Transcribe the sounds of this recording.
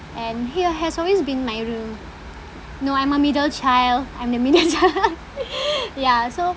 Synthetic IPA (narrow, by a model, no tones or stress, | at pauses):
ʔɛ̃nhiəɦɛsɔlwesbĩnmajɹũm | noãjməmidəlt͡ʃajlãjmdəmidəlt͡ʃal | jaso